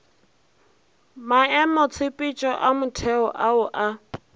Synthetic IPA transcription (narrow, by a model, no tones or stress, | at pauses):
maɛmɔt͡sʰɪpʼit͡ʃʼɔʔamʊtʰɛɔʔaʊʔa